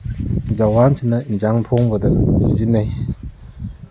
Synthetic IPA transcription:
d͡ʒawansʰinainzaŋtʰoŋbədɯsizinːaj

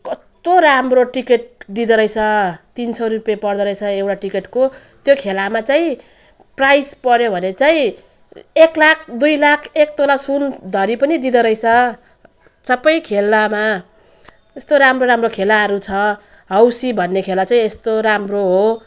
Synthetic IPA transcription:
kʌst̪oɾamroʈikeʈ̚d̪id̪ʌɾʌjt͡sʰʌt̪insʰʌɾupjapʌrd̪ʌɾʌjt͡sʰʌewʈaʈikeʈko | t̪jokʰelamat͡saĩ | prajspʌɾjobʱʌnet͡saĩ | eklak̚ʰd̪ujlakʰek̚t̪olasund̪ʱʌɾipʌnid̪id̪ʌɾʌjt͡sʰʌ | sʌpʌjkʰelːama | est̪oɾamroɾamrokʰelaɦʌɾut͡sʰʌ | ɦʌwsibʱʌnːekʰelat͡saĩest̪oɾamroɦo

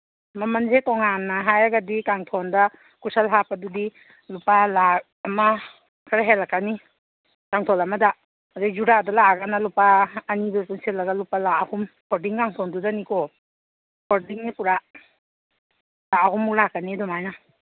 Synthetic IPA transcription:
mamanzetɔŋanːaɦajaɡadikaŋtʰɔnda | kusalɦapadudi | lupalak̚ | ɐma | kʰaɾaɦelakani | kaŋtʰɔlamada | dizuɾadalaɡanalupaːnidɔpunselːaɡalupalaahum | kʰɔɾdiŋkaŋtʰɔndudanikɔ | pʰɔɾdiŋnipuɾa | laahumːulakːanidɔmajna

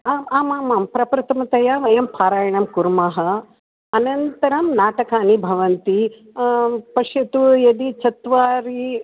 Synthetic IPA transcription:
aːmaːmaːmaːmpɾɐpɾɐt̪ɐmɐt̪ɐjaːʋɐjɐmpʰaːɾaːjɐɳɐmkuɾmaɦɐ | ɐnɐnt̪ɐɾɐmnaːʈɐkaːnibʱɐʋɐnt̪i | pɐʂjɐt̪ujɐd̪it͡ʃɐt̪ʋaːɾi

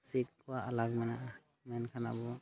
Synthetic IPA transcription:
sik̚kuwaʔalaɡ̚mɛnaʔa | mɛnkʰana̰bɔ

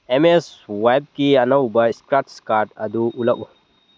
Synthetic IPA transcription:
emeswajb̚kiɐnɐwbɐskɾaʈskaɾʈɐ̰d̪uʔulɐʔu

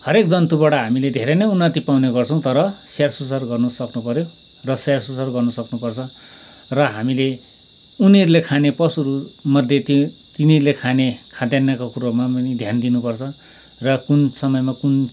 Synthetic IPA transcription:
hʌɾek̚d͡zʌnt̪ubaɽʌɦamiled̪ʱeɾenʌjunːʌt̪ipawneɡʌrt͡sʰʌw̃t̪ʌɾʌsarsusarɡʌrnusʌknupʌɾjo | rʌsarsusarɡʌrnusʌknupʌrt͡sʰʌ | rʌɦamile | uniʌɾulekʰanepʌsuɾumʌd̪ʱjet̪it̪inilekʰanekʰad̪janːakokuɾomaʌnid̪ʱjand̪inupʌrt͡sʰʌ | rʌkunsʌmʌjmakun

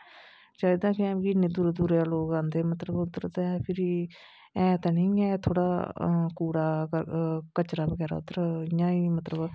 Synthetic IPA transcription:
t͡ʃaːd̪ãːkɪɛ̃ːɡinːeːd̪uːɾed̪uɾealoːɡãːnd̪eːmət̪ləbʊt̪ːəɾt̪ɛpʰɪɾi | ɛːt̪aːnəĩːɛːt̪ʰoːɽaːkuːɾaːəkət͡ʃɾaːbəɡɛːɾa̰ʊ̰t̪əɾɪjãːiːmət̪ləb

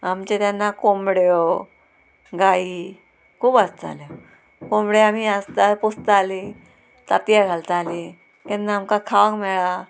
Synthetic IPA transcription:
amt͡ɕet̪janːakomɽjo | ɡai | kʰuːbast̪a̰ljo | kombɽeamiast̪aɾpost̪ali | t̪at̪jaɡʱalt̪ali | kɛnːaːmkakʰaʋãŋkmɛɭa

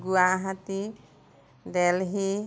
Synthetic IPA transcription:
ɡuaɦat̪i | d̪ɛlɦi

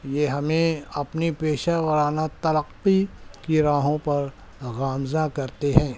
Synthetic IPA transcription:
jeːɦɐmẽɐpnipeːʃaʋɐɾaːnat̪ɐɾəqːikiɾaːɦõpɐɾ | ɣaːmzakɐɾt̪eɦɛ̃ː

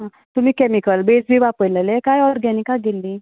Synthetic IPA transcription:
ɦã | t̪um̤iːkɛmikəlbesbʱiːʋapəjləlekajɔɾɡɛnikaɡelːi

